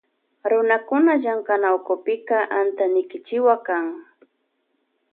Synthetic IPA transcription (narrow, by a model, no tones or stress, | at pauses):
ɾʊnakʊnaʒaŋkanawkʊpɪkaʔant̪anɪkɪt͡ʃɪwakaŋ